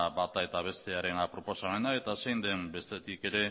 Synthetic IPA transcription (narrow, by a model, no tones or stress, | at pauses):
bat̪ae̞t̪aβ̞e̞st̪e̞aɾe̞napɾo̞po̞same̞nae̞t̪asejnd̪e̞mbe̞st̪e̞t̪ike̞ɾe̞